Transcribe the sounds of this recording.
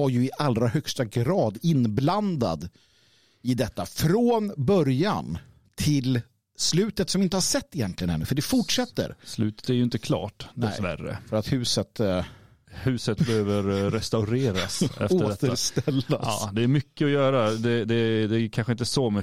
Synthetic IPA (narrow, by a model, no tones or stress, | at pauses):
aɾjɵɪʔalːɾahœkst̪aɡɾɑːd̪ɪnbland̪a̰d̪ | ɪd̪ɛt̪ːafɾoːnbœɾja̰n | t̪ʰɪl | slʉ̟ːt̪ət̪sɔmɪnt̪əhaʂɛt̪ːɪjɛnt̪lɪɡənɛnːʉːfəɖɛfʊʈʂɛt̪ːə̰ɾslʉ̟ːt̪ə̥t̪æɾjɵɪnt̪əkʰlɑ̰ːʈd̪ɛsvæ̰rːə̰fœɾat̪hʉ̟ːsət̪ | hʉ̟ːsət̪̚bɛhøːvəɾɾɛst̪aʊɾeːɾasɛ̰foəːɖtt̪əɾst̪ɛlːa̰ːd̪ɛæɾmʏkːəɔjœːɾad̪ɛd̪ɛd̪ɛkʰanɧəɪnt̪əsɔmʏ